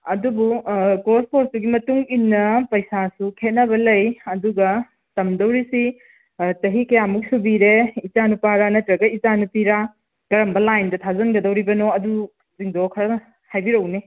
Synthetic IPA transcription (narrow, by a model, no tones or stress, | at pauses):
ɐdubukospʰoɾsduɡimɐtuŋinːɐpɐjsasukʰet̚nɐβɐlɐjɐduɡɐ | tɐmdɐwɾisi | tɐɦikɐjamuk̚subiɾeit͡ʃanupaɾanɐtɾɐɡɐit͡ʃanupiɾa | ɡ̥ɐɾɐmbɐlajndɐtʰazɐnɡɐdɐwɾibɐnoɐdu | ziŋdokʰɐɾɐ | hajbiɾɐwne